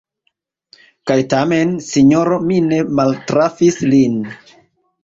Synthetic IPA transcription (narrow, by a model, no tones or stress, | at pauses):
kajtame̞nsiɲoɾomine̞maltɾafislin